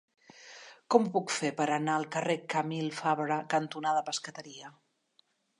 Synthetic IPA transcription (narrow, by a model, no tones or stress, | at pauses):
kɔmpukfepəɾənaəlˠkərekəmilˠfaβɾəkənt̪unaðəpəskət̪əɾiə